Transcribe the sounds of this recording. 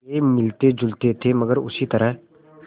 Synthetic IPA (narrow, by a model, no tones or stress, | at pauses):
emɪlt̪ed͡ʒʊlt̪et̪ʰeməɡəɾʊ̰sit̪ɐɾəɦ